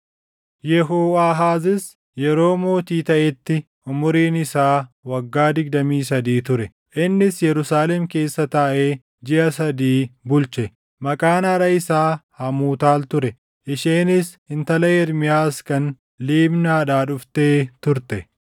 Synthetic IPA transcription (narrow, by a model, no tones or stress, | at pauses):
jɛɦoːaːɦaːzɪs | jɛɾo̞ːmo̞ːt̪iːt̪ɐʔɛt̪ːɪ | ʔʊmʊɾiːnɪsaːwɐɡːaːd̪ɪɡd̪ɐmiːs̬ɐd̪iːt̪ʊɾɛ | ʔɪnːɪsjɛɾʊsaːlɛmke̞ːsːɐt̪aːʔeː | d͡ʒɪʔɐsɐd̪iːbʊlt͡ʃɛ | mɐkʼaːnɐɾɐɪsaːhɐmuːt̪aːlt̪ʊɾɛ | ʔɪʃeːnɪs | ɪnt̪ɐlɐɛɾmɪjaːskɐn | liːbnaːᶑaːᶑʊft̪eːt̪ʊɾt̪ɛ